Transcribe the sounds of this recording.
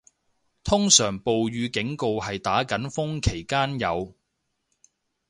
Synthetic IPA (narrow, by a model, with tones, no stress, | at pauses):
t̪ʰʊ˥ŋsœː˨˩ŋpo˨wjyː˨˧kɪ˨˥ŋko˨˧wɦɐ˨jt̪aː˨˥kɐ˨˥nfʊ˥ŋkʰe˨˩jkaː˥njɐ̰˨˧w